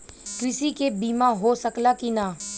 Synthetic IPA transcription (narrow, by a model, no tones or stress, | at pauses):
kɾɪsikebiːmãɦoːsəklakinaː